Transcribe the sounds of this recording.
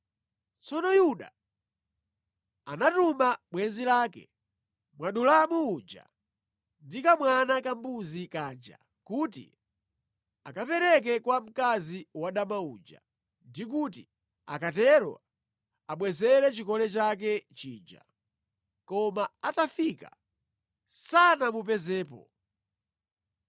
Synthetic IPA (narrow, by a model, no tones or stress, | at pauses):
t͡sɔnɔjuɗa̰ | anatumaɓwɛnzilaːkɛ̰ | mwaɗulamuud͡ʒa̰ | ndikamwanakambuzikaːd͡ʒa̰ | kutḭ | a̰kapɛɾɛk̬ɛkwam̩kaziwaɗamaṵːd͡ʒa̰ | ndik̬uti | a̰katɛɾwa̰ | aɓwɛzɛlɛt͡ʃikɔlɛt͡ʃak̬ɛt͡ʃiːd͡ʒa̰ | kɔmaatafika̰ | sanamup̬ɛzɛːpɔ̰